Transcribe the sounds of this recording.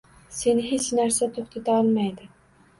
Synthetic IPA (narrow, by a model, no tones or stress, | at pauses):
senɪɦet͡ʃnæɾsɛt̪ʰoχt̪ʰɛt̪ʰæɑlˠmæjd̪ɪ